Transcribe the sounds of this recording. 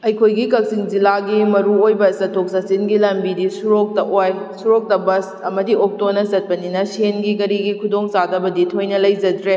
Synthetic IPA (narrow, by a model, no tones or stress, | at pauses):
ɐjkʰojɡikɐk̚siŋzilaɡimɐɾuojbɐsɐtʰːok̚sɐsinɡilɐmbidisuɾok̚tɐʔojsuɾok̚tɐbɐsɐmɐdiok̚tonɐzɐt̚pɐninɐsenɡiɡɐɾiɡikʰudoŋsadɐbɐditʰojnɐlɐjd͡ʒɐdɾe